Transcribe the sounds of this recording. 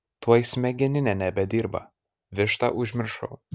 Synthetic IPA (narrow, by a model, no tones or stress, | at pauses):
t̪uɔjɪsʲmʲɛɡʲɛnʲɪnʲɛnʲɛbʲɛd̪ʲiːɾbɐ̰ | ʋʲɪʃt̪ɐ̰ʔʊʒʲmʲɪɾʃɐ̰ʊ